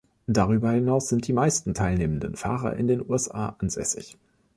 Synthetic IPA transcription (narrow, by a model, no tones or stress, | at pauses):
d̥aʁ̞yːbɐhɪnaʊsz̥ɪnt̚d̥iːmaɪstn̩tʰaɪlneːmən̩dənfa̰ːʁɐ̰ʔɪ̰ndeːnuːɛsʔa̰ːʔanzɛ̰sɪ̰ç